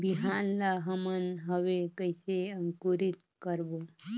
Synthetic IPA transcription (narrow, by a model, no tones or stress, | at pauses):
biɦanlaɦəmənɦəʋekəjseəŋkuɾit̪ | kəɾbo